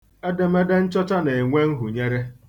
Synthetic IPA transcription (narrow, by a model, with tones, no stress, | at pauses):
e˦dɪ˨m̩˦e˦de˦n̩˦t͡ʃɔ˦t͡ʃa˦ne˨ŋʷe˦ŋ̩˦ɦu˨ɲe˦ɾe˦